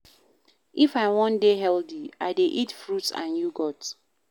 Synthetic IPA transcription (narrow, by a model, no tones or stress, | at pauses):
ʔifaɪwɔ̃ndeɦɛldiaɪdeʔitfɹutsã̰njuɡɔt